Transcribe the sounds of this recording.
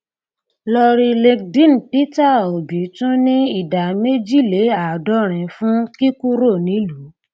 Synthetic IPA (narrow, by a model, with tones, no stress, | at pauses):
lɔ˧ɾi˧le˧k̚dĩ˦˨n̩˨pi˦ta˦˨o˨bi˨˦tũ˦nĩ˦i˦˨da˨me˦d͡ʒi˦˨le˨˦a˨dɔ˦ɾ̃ɛ̃˨fũ˦ki˦ku˦ɾo˦˨nĩ˨˦lu˨˦